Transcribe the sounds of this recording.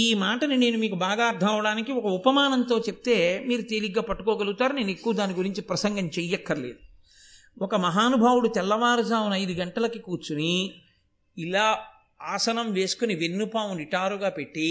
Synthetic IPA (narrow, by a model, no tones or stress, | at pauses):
iːmaːʈɐnine̞ːnumiːkubaːɡaːɐɾt̪ʰːɐmɐʋɐɽaːnikiɔkɐupɐmaːnɐnt̪o̞ːt͡ʃep̚t̪e̞ːmiːɾut̪eliɡːaːpɐʈːu̥koːɡɐlɡut̪aːɾune̞ːnekːuʋɐd̪aːniɡuɾiɲt͡ʃipɾɐsɐŋɡɐmt͡ʃɛjːɛkːɐɾɐle̞̰ːd̪u | ɔkɐmɐɦaːnubʱaːwuɽut̪ɛlːɐʋaːɾɐd͡ʒaːwunɐjd̪uɡɐɳʈɐlɐkikuːɾt͡ʃuni | ilaː | aːsɐnɐmʋe̞ːsu̥kuniʋenːupaːʋunɾiʈaːɾuɡaːpe̞ʈːi